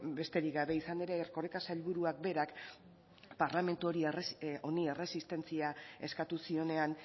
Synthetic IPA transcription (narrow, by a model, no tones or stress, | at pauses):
be̞st̪e̞ɾikɡaβe̞isaneɾeːrko̞rekasalβuɾuak̚be̞ɾak | paɾlame̞nt̪uo̞ɾio̞nie̞re̞sist̪e̞nt͡siae̞skat̪usio̞ne̞an